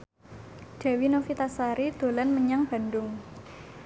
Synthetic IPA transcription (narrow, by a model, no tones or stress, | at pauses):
ɖ̥a̤winofit̪asaɾid̪̥o̤lanməɲaŋb̥a̤ndʊŋ